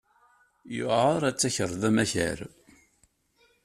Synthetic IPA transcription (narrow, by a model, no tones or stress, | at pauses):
juʊɾˤæt͡sːæçəɾˤðæmæçə̰ɾ